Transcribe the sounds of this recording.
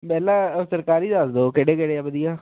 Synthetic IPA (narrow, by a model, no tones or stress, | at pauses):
mɛːlaːsəɾkaːɾiːd̪aːsd̪oːkeɽeːkeɽeːabəd̪ɪjaː